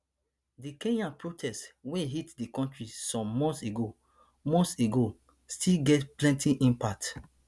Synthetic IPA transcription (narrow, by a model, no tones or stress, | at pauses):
dikẽnãnpɹotʰɛstweɦitdikɔ̃ntɹisɔ̃mːɔ̃nseɡo | mɔ̃nseɡo | stʰilɡɛtplɛ̃ntĩʔĩmpak̚t